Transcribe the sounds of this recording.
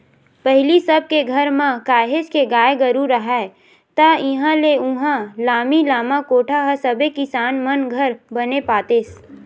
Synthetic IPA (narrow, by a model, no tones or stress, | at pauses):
pəɦlisəb̚keɡʱɐɾmãkaːɦeʃkeɡaːeɡəɾuɾəɦɛ | t̪aɪɦãleʊ̃ɦãlaːmilaːmakoːʈʰaɦəsɐbekɪsaːnmənɡʱəɾbənepaːt̪eːs